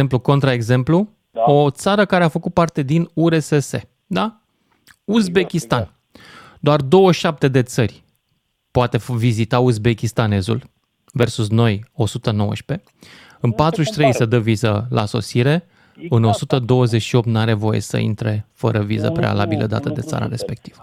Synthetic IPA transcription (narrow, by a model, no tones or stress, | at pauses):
empluko̞nt̪ɾaeɡze̞mplu | o̞t̪saɾəkaɾe̞afəkut̪̚part̪e̞d̪inuɾe̞sese̞ | d̪a | uzbe̞kʲist̪an | d̪oard̪o̞wəʃap̚t̪e̞d̪e̞t̪sərʲ | poat̪e̞vizit̪auzbe̞kʲist̪ane̞zṵl | ve̞rsusno̞jo̞sut̪əno̞wə̰ʃpe̞ | ɨnpat̪ɾuʃʲt̪ɾe̞jsəd̪əvizəlʔa̰so̞̰siɾe̞ | ɨno̞sut̪əd̪o̞wəze̞t͡ʃʲʃio̞p̚t̪naɾe̞vo̞jḛsə̰ḭnt̪ɾe̞fə̰ɾəvizə̰pɾe̞̰a̰labilʔə̰d̪a̰t̪əd̪e̞̰t̪sa̰ɾa̰ɾe̞spe̞k̚t̪ivə̥